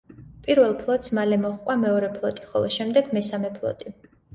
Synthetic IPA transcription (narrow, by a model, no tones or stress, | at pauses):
pʼiɾvɛlˠpʰlˠɔt̪ʼsmalɛmɔχqʼwamɛɔɾɛpʰlˠɔt̪ʼiχɔlˠɔʃɛmd̪ɛɡmɛsamɛpʰlˠɔ̰t̪ʼi